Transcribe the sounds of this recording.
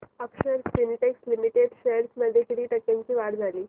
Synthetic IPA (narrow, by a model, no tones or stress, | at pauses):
əkʂəɾsliniʈekslimiʈeɖɕeɾsməd̪ʱːjekeɽiːʈəkːjaɲt͡ɕiːʋaɽd͡zʱaliː